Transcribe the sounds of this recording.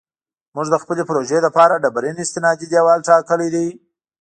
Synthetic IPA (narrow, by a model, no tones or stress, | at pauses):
muʐd̪əxpəlepɾoʒeləpɑɾaɖabɾenɪst̪ɪnɑd̪id̪jawɑlʈɑkəled̪i